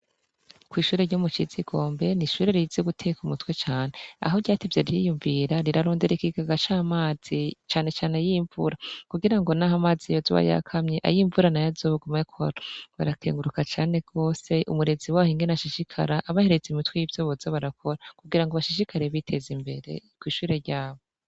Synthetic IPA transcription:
kwiːʃuːɾeɾɟomut͡ʃiziɡo̞ːmbe̞niʃuːɾe̞ɾizeɡutʰekumutwe̞t͡ʃaːne̞a̰ɦoɾɟaːtevjeɾjḭjuɱviɾaɾiɾaɾoːndeɾikiɡaɡat͡ʃamaːz̥it͡ʃaːne̞t͡ʃaːne̞jiːɱvṵɾakuɡiɾaŋɡo̞nahamaːzijozo̰βa̰ja̰kʰamɲeʔa̰jiːɱvuɾanajazoːβuɡumekʰo̞̰ɾoβaɾakʰeːŋɡuɾukat͡ʃaːne̞ɡ̥o̞ːse̞ʔumuɾe̞ziwaːhiŋɡenaʃiʃikʰa̰ɾaʔːβaheɾet͡simitwejivjoβozaβaɾakʰo̞ɾakuɡiɾaŋɡoβaʃiʃikʰaɾeβitʰe̞zimbe̞ɾe̞̰kwiːʃuːɾe̞ɾɟaːβo

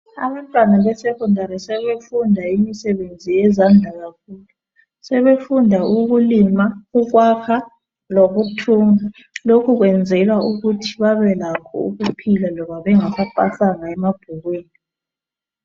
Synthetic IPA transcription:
a̰βantʼwanaβɛsɛkʰʼundʱaɾɛsɛβefundʱaimisɛβend͡zʱijɛzand͡ɮʱaɣakʰuːlu | sɛβefundʱauɣulimauɣwakʰa | loβutʰuŋa | lokʰuɣwɛnd͡zʱɛlauɣutʰi̥βaβɛlakʰɔ̰ṵɣupʰilalɔβaβɛŋaβapʼaɬaŋaɛmab̥ʱuɣweːni

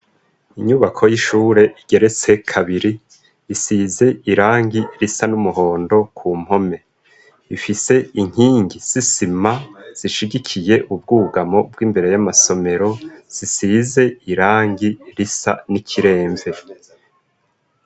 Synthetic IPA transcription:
iɲuβakʰo̞jiʃuːɾe̞ʔiɡe̞ɾe̞t͡se̞kʰaβiɾiː | size̞iɾaːŋɡiɾisanumuɦo̞ːndo̞kʰuːm̥ho̞me̞ | ifise̞iŋ̥iːŋɡiz̥isimaz̥iʃiɟikʰije̞ʔub̚ɡuːɡamo̞b̚ɡiːmbe̞ɾe̞jamaso̞me̞ɾo̞z̥isiːze̞iɾaːŋɡiɾisa̰nikʰiɾe̞ːɱve̞

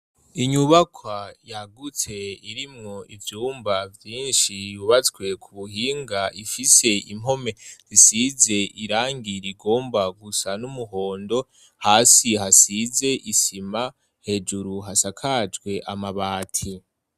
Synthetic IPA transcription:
iɲuβakʰwajaɡut͡se̞iɾimŋo̞ivjuːmbavjiːnʃijuβat͡swe̞kʰuβuhiːŋɡaʔifise̞imɦo̞me̞zisize̞ʔiɾaːŋɡiɾiɡo̞ːmbaɡusanumuɦo̞ːndo̞ | haːsiɦasize̞ʔisima | he̞d͡ʒuɾuɦasakʰad͡ʒɡwe̞ʔamaβaːtʰi

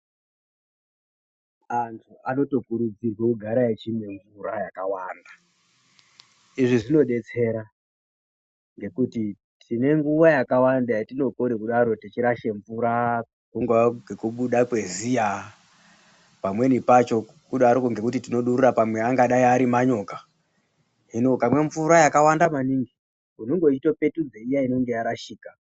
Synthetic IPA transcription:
antʰuano̞to̞kuɾud͡zirwekuɡʱaɾajet͡ʃimeɱvuɾajakawaːnda | iʐiʐino̞ɗe̞t͡se̞ɾa | ŋɡe̞kuti | tʰine̞ŋɡuʋajakawandajatino̞konekuɗaɾo̞tit͡ʃiɾaʃeɱvuɾa | kuŋɡwaŋɡekuɓuɗakwe̞zija | pamwe̞nipat͡ʃo̞ | kuɗaɾokoŋɡe̞kutitino̞ɗuɾurapamwe̞aŋɡaɗaiaɾimaɲo̞ːkḁ | ɦino̞kamwe̞ɱvuɾajakawandamaniŋɡi | unoŋɡot͡ʃito̞pe̞tud͡zeijaino̞ŋɡe̞jaɾaʃiːka

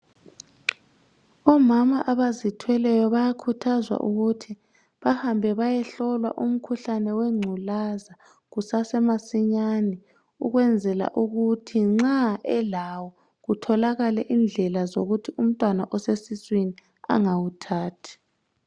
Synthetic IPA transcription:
ɔmamaʔaβazitʰwɛlɛjɔβajakʰutʰazwa̰ʔuɣutʰi | βahambʱɛβajɛɬɔlwa̰ʔum̩kʰuɬanɛwɛŋ͡ǀʱulaza | ɣusasɛmasiɲanɛ | uɣwɛnd͡zʱɛla̰ʔuɣutʰiŋ͡ǁaɛlawɔ | ɣutʰɔlaɣalɛʔind͡ɮʱɛlazoɣutʰium̩tʼwanaʔɔsesiswini | a̰ŋawutʰaːtʰi̥

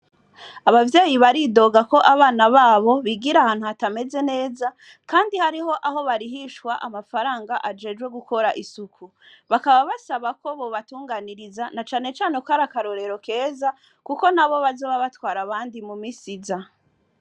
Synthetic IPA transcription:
aβavjeːjiβaɾido̞ɡako̞ʔaβaːnaβaːβo̞βiɡiɾahaːn̥huhatame̞ze̞ne̞ːza | kaːndihaɾiɦo̞ʔaɦo̞βaɾiɦiʃkwaʔamafaɾaːŋɡaʔad͡ʒe̞ːʒɡwe̞ɡuko̞ɾaʔisukʰu | βakaβaβasaβako̞βoβatuːŋɡaːniɾizanat͡ʃaːne̞t͡ʃaːnekohaɾakaɾo̞ɾe̞ɾo̞ke̞ːza | kuko̞naβo̞βazoβaβatwaːɾaβaːndimumisiza

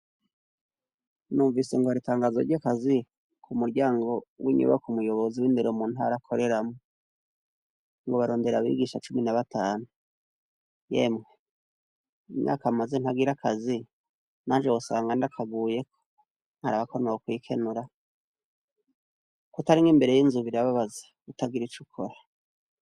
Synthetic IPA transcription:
nuːɱviseŋɡoaɾitaːŋɡazo̰ɾɟakazi | kʰumuɾɟaːŋɡo̞wʔḭɲṵβa̰kumujo̞βo̞ziwiːndeɾomuːn̥haɾakʰo̞ɾe̞ɾamo | ŋɡoβaɾo̞ːnde̞ɾaβḭɡiʃat͡ʃuminaβatʰaːnu | je̞̰mŋe | imɲa̰ːkamazen̥haɡiɾakazi | naːnʒewosaːŋɡandakʰaɡuːje̞kʰo̥ | n̥haɾaβakonookwiːkʰe̞nuɾa | kutaɾiŋɡimbe̞ɾe̞jiːnzuβiɾaβaβaze̥ | kutaɡiɾit͡ʃukʰoɾa

